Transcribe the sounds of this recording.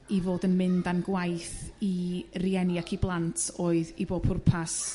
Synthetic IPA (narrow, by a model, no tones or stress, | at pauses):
ivoːdənmɪndanɡwajθiriɛniakʰiblˠantʰoːɨðiboːb̥ʰʊrpʰas